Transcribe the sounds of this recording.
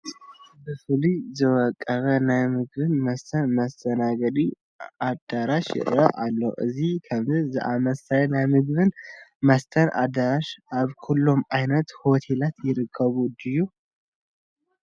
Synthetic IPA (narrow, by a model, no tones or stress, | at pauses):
bɨfɨlizɨwəkʼːəβənajmɨɡβɨnməst̪ʰənməst̪ʼʰənaɡəd̪i | ad̪aɾaʃɪ̰ɾʔə̰ʔalːəwʔɨ̰zihkʰəmɨzɨ̰ʔaməsʰajɛnajmɨɡɨβɨnməst̪ʰənʔa̰d̪aɾaʃaβkʰulːumajnət̪hot̪ʰelat̪jɪɾɨkʰːəβud̪ɨju